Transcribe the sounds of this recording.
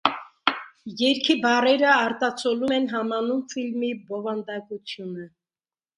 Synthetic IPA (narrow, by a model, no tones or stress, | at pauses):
jɛɾkʰibɑrɛɾəɑɾt̪ɑt͡sʰɔlumɛnɦɑmɑnumfilmibɔvɑnd̪ɑkut͡sʰjunə